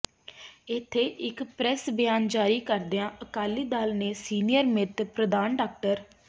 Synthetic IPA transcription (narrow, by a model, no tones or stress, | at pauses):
ɪt̪ʰːeːʔɪkpɾɛsbɪjaːnd͡ʒaːɾiːkəɾd̪eãːʔəkaːlːiːd̪aːlneːsiːnijəɾmɪt̪pɾəd̪aːnɖaːk̚ʈəɾ